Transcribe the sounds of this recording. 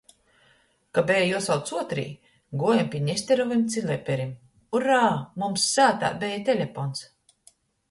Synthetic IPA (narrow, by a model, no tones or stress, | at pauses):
kabʲɛjajuɔsawt̪suɔt̪ɾḭː | ɡuɔjampʲiɛɲʲɛst̪ʲɛɾɔvimt̪sʲilʲˠɛpʲɛɾim | uɾaːmumsːaːt̪a̰ːbɛjat̪ʲelʲefɔns